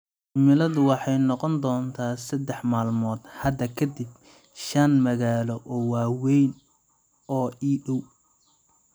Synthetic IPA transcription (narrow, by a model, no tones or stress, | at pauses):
mɪlɐðʊwɑħɑjnɔqɔnd̪ɔːnt̪ʰaːsɐd̪ɛħmaːlmɔːd̪hɐd̪ɐkʰɐd̪ɪb | ʃɐnmɐɣaːlɔʔɔːwaːwɛjn | ɔːʔiːɗɔw